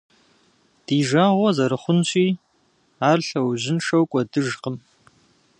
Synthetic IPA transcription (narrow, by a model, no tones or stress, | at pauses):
d̥iːʒaːʁʷɔzɐɾɨχʷʊnɕʼiː | aːrɬɐwʑɪnʂɐwkʷʼɔdɨʒqəm